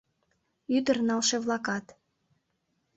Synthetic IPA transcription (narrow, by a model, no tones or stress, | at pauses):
yd̪ərnɑlʃeβlˠɑkɑt̪